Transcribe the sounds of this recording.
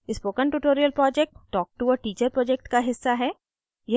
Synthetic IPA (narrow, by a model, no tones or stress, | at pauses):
ɪspoːkənʈuʈoːɾijəlpɾɔːd͡ʒɛk̚ʈːɔːk̚ʈuɔːɾʈiːt͡ʃəɾpɾɔːd͡ʒɛk̚ʈkaɦɪsːaɦɛː | je